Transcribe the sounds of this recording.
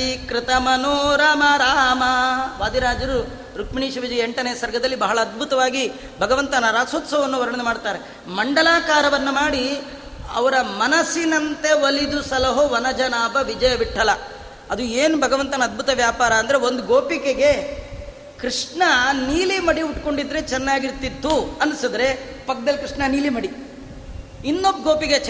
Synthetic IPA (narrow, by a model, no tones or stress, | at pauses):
ikɾɪt̪ɐmɐnoːɾaːmɐɾaːmɐʋaːd̪iɾaːd͡ʒɐɾu | ɾukmiɳiːʂɐʋid͡ʒɐjeɳʈɐnɐjɐsɐɾɡʱɐd̪ɐlːibɐɦɐɭɐːd̪̚bʱut̪ɐʋaːɡi | bʱɐɡɐʋɐnt̪ɐnɐɾaːsot̪sɐʋɐnːuʋɐɾɐɳɐd̪emaːɽt̪aːɾe | mɐɳɖɐlaːkaːɾɐʋɐnːumaːɽi | ɐ̰ʋɐɾɐmɐnɐsinɐnt̪e̞ʋɐlid̪usɐlɐɦoʋɐnɐd͡ʒɐnaːbɐʋid͡ʒɐjɐbiʈʰːɐlɐ | ɐd̪ueːnubʱɐɡɐʋɐnt̪ɐnɐːd̪̚bʱut̪ɐʋjaːpaːɾɐːnd̪ɐɾe̞o̞nd̪uɡoːpikeɡe̞ | kɾiʂɳɐniːlimɐɽiuʈko̞ɳɖid̪ːɾet͡ʃɛnːaːɡiɾt̪id̪ːuɐnsid̪ɐɾe̞pɐk̚d̪ɐlːikɾiʂɳɐniːlimɐɽi | inːobɡoːpike